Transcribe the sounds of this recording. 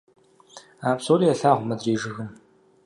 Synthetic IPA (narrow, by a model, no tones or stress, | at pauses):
aːpsoːliːɐɬaːʁʷmɐdriːʒɨɣɨm